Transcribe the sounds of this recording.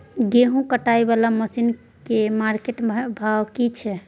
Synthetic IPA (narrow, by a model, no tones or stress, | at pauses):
ɡeɦũkəʈaibalaməsin | kemaɾkeʈbʱawkit͡ʃʰɛ